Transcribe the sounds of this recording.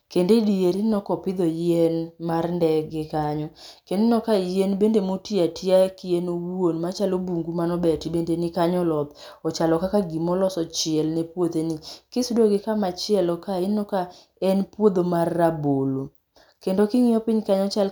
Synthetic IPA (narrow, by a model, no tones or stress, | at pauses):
kendedieɾinɔkɔpɪd̪ɔjɛnmarndɛɡɪkaɲɔkendenɔkajenbendemotiatʰiakɪjenowonmat͡ʃalobuŋɡumanɔbɛtibendenɪkaɲɔlɔt̪ | ɔt͡ʃalɔkakaɡimɔlɔsɔt͡ʃɪɛlnepwod̪enikɪsudoɡɪkamat͡ʃɪɛlɔkaɪnːɔka | ɛnpwod̪omarːabolo | kendokɪŋɪɔpɪɲkaɲɔt͡ʃal